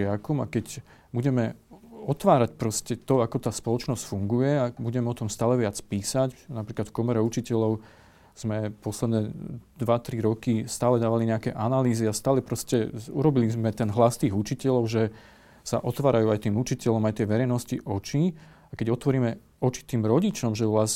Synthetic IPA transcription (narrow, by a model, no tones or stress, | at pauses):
ɪakɔma̰kɛc | buɟɛmɛɔt̪ʋaːɾacpɾɔscɛt̪ɔakɔt̪aːspɔlɔt͡ʃnɔscfuŋɡujɛabuɟɛmɛɔt̪ɔmst̪aːlɛʋɪat͡spiːsacnapɾiːklat̪fkɔmɛɾɛut͡ʃicɛlɔʊ | z̥mɛpɔslɛd̪nɛd̪ʋat̪ɾiɾɔkist̪aːlɛd̪aːʋaliɲɛakɛ̰ʔanaliːziast̪aːlɛpɾɔscɛṵɾɔbilizmɛt̪ɛnɦlast̪iːɣut͡ʃicɛʎɔʊʒɛ | sa̰ʔɔt̪ʋaːɾajuːajt̪iːmut͡ʃicɛʎɔmajt̪ɪɛʋɛɾɛjnɔsciʔɔt͡ʃi | akɛɟɔt̪ʋɔɾiːmɛ | ɔt͡ʃi̥t̪iːmɾɔɟit͡ʃɔmʒɛʋlas